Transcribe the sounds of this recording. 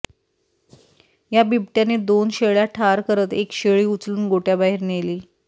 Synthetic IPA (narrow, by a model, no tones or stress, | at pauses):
jabibʈjaned̪onɕeɭjaʈʰaɾkəɾət̪ekɕeɭiːut͡sluːnɡoʈjabaɦiːɾneliː